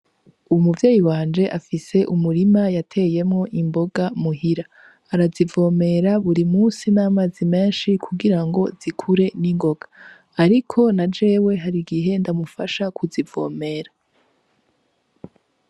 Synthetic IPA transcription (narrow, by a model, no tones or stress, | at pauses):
uwmuvjeːjiwaːnd͡ʒe̞ʔafise̞ʔumuɾimajatʰe̞ːje̞mŋo̞ʔimbo̞ɡamuhiɾa | aɾazivo̞ːme̞ɾaβuɾimuːsinamazime̞ːnʃikʰuɡiɾaŋɡo̞zikʰuɾe̞niŋɡo̞ɡḁː | ɾikʰo̞nad͡ʒe̞ːwe̞ɦaɾiɡiɦe̞ndamufa̰ʃakʰuzivo̞ːme̞ɾa